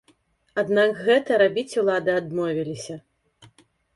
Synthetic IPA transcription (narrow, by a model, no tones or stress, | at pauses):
ad̪nakɣɛt̪ɐɾabʲit͡sʲulˠad̪ɨad̪mɔvʲilʲisʲɐ